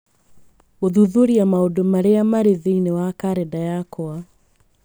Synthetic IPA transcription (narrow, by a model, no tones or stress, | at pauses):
oðuðoɾiamaodomaɾeamaɾeðiinewakaɾɛdajakɔa